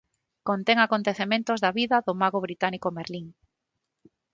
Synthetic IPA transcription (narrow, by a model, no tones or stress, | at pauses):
kont̪eŋakont̪eθemẽnt̪ozðaβiðɐðomaɣoβɾit̪anikomeɾliŋ